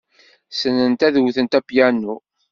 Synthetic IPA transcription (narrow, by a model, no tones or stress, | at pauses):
sənːənt̪æðwθənt̪æpjænːu